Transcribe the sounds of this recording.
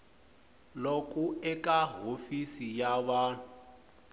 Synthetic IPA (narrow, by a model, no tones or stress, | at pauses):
lokʼuɛkʼaɦofisijaβaːnu